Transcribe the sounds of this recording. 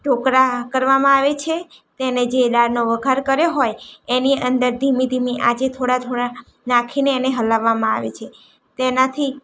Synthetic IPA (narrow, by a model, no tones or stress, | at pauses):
ʈokɾakəɾʋamãaʋet͡ʃʰe | t̪ened͡ʒelaɾnoʋəɡʱaɾkəɾjoɦojeniʔənd̪əɾd̪ʱimid̪ʱimiʔad͡ʒet̪ʰoɽat̪ʰoɽa | nakʰineːneɦəlaʋːamãa̰ʋḛt͡ʃʰe | t̪enat̪ʰi